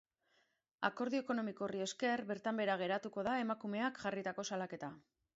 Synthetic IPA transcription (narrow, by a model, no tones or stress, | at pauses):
a̰ko̞ɾðioko̞no̞miko̞rie̞ske̞ɾβe̞ɾt̪ambe̞ɾaɣ̞e̞ɾat̪uko̞ðaemakume̞akʝarit̪ako̞salake̞t̪a